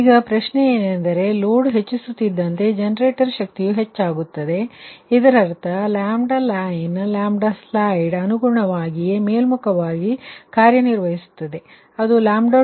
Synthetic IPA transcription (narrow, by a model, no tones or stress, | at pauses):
iːɡɐpɾɐʃnejeːnend̪ɐɾe̞loːɖɦe̞t͡ʃːisut̪ːid̪ːɐnt̪e̞d͡ʒenɐɾe̞ːʈɐɾʃɐk̚t̪ijuɦe̞t͡ʃːaːɡut̪ːɐd̪e̞id̪ɐɾɐɾt̪ʰɐlaːmɖalaːjnlaːmɖɐslaːjɖɐnuɡuɾɐɳɐʋaːɡijemeːlmukʰɐʋaːɡikaːɾjɐniɾʋɐɦisu̥t̪ːɐd̪e̞ | ɐd̪ulaːmɖɐ